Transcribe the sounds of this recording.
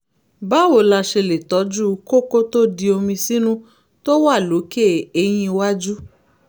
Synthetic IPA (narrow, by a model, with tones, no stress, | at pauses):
ba˦wo˨la˧ʃe˧le˨tɔ˨˦d͡ʒu˦ko˦ko˦to˦di˧o˧mĩ˧si˦nũ˦ | to˦wa˦˨lo˨˦ke˦˨e˧j̃ĩ˧wa˦d͡ʒu˦